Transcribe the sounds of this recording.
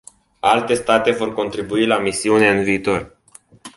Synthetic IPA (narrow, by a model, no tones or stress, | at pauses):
alt̪e̞st̪at̪e̞vo̞rko̞nt̪ɾibuilamisiune̞ɨnviːt̪o̞r